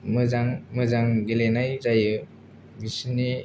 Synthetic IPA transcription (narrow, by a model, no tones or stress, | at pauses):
mɯzaŋmɯzaŋɡelenajzajɯ | bisini